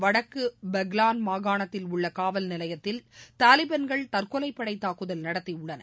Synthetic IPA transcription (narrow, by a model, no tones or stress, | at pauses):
ʋɐɽɐkːɯbɛɣlaːnmaːɣaːɳɐt̪ːɪlʊɭːɐkaːʋɐlnɪlɐjɐt̪ːɪlt̪aːlɪbɐnɡɐɭt̪ɐrkɔlɐɪpːɐɽɐɪt̪ːaːkɯðɐlnɐɽɐt̪ːɪʊɭːɐnɐ̰